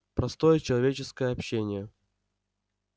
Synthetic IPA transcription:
pɾɐst̪o̞jət͡ɕɪlˠɐvʲet͡ɕɪskəjəɐpɕːenʲɪjə

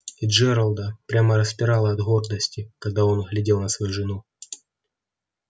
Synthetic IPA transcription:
iʐɛɾəlˠd̪əpɾʲaməɾəspʲɪɾalˠəɐd̪ɣo̞rd̪əsʲtʲɪkɐɡd̪ao̞nɣlʲɪdʲe̞lˠnəsvɐjuʐɨnu

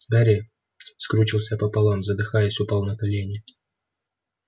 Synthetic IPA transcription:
b̪aɾʲɪ | skɾut͡ɕilˠsʲapəpɐlˠamzəd̪ɨxajəsʲʊpalˠnəkɐlʲenʲɪ

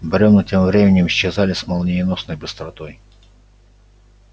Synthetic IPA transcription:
beɾʲɔwnɔtʲɛmʋɾʲɛmʲenʲimʃt͡ʃɛzɑlʲɪsmɐlˠnʲijinɔsnɔjbɪst̪ɾɔt̪ɔj

